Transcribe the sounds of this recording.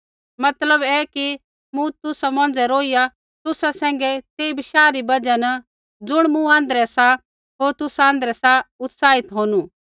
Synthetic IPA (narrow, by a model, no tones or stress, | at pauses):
mɐt̪ləbɛːki | mũt̪ʊsamɔ̃ːnd͡zɛɾoːija | t̪ʊsasɛ̃ːŋ̆ɡɛt̪eːibɪʃaːɾibɐd͡ʒɛn | d͡zʊɽ̃mũãːnd̪ɾɛsa | ɦoːɾt̪ʊsaãːnd̪ɾɛsaʊt̪saːɦɪt̪ɦõːnũ